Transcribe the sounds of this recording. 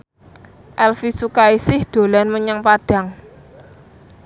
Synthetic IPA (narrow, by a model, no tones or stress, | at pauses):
ʔɛlfisukaisɪhd̪̥o̤lanməɲəŋpaɖ̥a̤ŋ